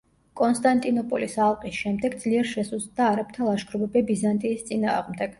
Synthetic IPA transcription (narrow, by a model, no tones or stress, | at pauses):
kʼɔnst̪ʼant̪ʼinɔpʼɔlisalˠqʼisʃɛmd̪ɛɡd̪z̥liɛɾʃɛsuzd̪d̪aːɾap̚ʰt̪ʰalˠaʃɡʰɾɔbɛbɛbizant̪ʼiːst̪sʼina̰ːʁmd̪ɛɡ̥